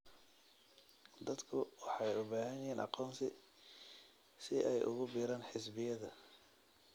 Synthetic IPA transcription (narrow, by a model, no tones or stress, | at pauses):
d̪ɐd̪kʰʊwɑħɑjʊbaːɦɐnjɛːnʔɑ̰qɔːnsɪ | sɪʔɛjʔʊ̰ɣʊbiːɾaːnħɪsbɪjɐðɐ